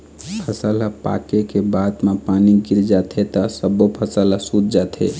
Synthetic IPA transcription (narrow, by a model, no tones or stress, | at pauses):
pʰəsalapa̰kekebad̪mepaniɡiɾd͡ʒat̪ʰet̪əsəbopʰəsəlasud̪d͡ʒat̪ʰḛ